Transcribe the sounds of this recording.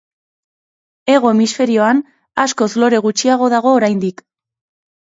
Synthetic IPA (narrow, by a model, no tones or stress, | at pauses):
e̞ɣ̞o̞e̞misfe̞ɾio̞an | asko̞zlo̞ɾe̞ɣut͡ʃiaɣ̞o̞ðaɣ̞o̞ːɾajnd̪ik